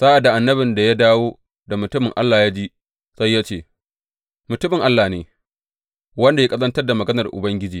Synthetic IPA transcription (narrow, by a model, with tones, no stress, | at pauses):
saː˦ʔa˨da˨ʔa˨nːɐ˦bɪ˨nda˨ja˦daː˦woː˦ | da˨mʊ˨tʊ˦mɪ˨ŋʔa˦lːaː˨jaː˦d͡ʒi˦ | sa˦jːaː˦t͡ʃeː˦˨ | mʊ˨tʊ˦mɪ˨ŋʔa˦lːaː˨neː˨ | wɐ˦nda˨ja˦kʼɐ˦zɐ˦ntɐ˦rda˨mɐ˨ɡɐ˦nɐ˨rʔʊ̰˨bɐ˦ŋɡʲɪ˦d͡ʒiː˨